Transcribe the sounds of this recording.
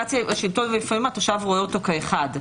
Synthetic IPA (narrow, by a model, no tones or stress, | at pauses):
at͡sjaaʃiltonvelifamimatoʃavʁoeoto̞kaeχad